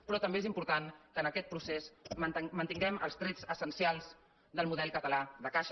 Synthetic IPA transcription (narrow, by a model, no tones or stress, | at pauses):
pɾɔt̪əmbezimpuɾt̪ankəːnəkɛt̪̚pɾusesmənt̪iŋɡɛmə̰lˠst̪ɾɛd͡zəsənsialˠz | d̪əlˠmuðɛlˠkət̪əlaðəkaʃ